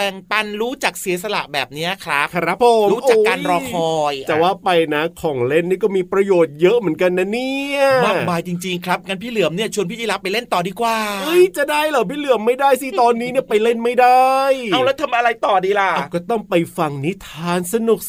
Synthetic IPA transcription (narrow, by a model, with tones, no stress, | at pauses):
pɛ˨˩ŋpa˧nɾuː˦˥t͡ɕaː˨˩k̚si˨˩˦s̬a˧la̰˨˩ʔbɛ̰ː˨˩p̚ni˦˥ɐkʰɾa˦˥kʰɾa˦˥pʰːo˨˩˦ɾm˦˥ʔa˨˧kaː˧nɾɔː˧kʰɔː˧jt͡ɕɛː˨˩waː˥˩pa˧jna˦˥kʰɔː˨˩˦ŋle˥˩nːiː˥˩kɔː˥˩miː˧˩pɾa˧joː˨˩t̪̚jɤ˦˥ʔmɯ˩˦ənka˧nːa˦˥niː˥˩˥ɐmaː˥˩˧maː˧jt͡ɕi˧ŋt͡ɕi˧ŋkʰɾa˦˥p̚ŋaː˧npʰiː˥˩lɯ˨˩˦əmni˥˩ɐt͡ɕʰu˧ənpʰiː˥˩t͡ɕi˧la˦˧˥pa˧jle˥˩nt̪ɔː˨˩diː˧kwaː˨˩ʔɯ˦˥jt͡ɕa˨˩daː˥˩jlɛː˨˩pʰiː˥˩lɯ˨˩əmːa˥˩jdaː˥˩jsi˦˥˩t̪ɔː˧nːiː˦˥ni˥˩ɐpa˧jle˥˩nma˥˩jda˥˩jaː˧wlɛ˦˥t̪ʰa˧mʔa˧ɾa˧jt̪ɔː˨˩diː˧la˨˩ʔa˨˩kɔː˥˩t̪ɔ˥˩ŋpa˧jfa˧ŋni˦˥t̪ʰaː˧nsa˧nu˨˩k̚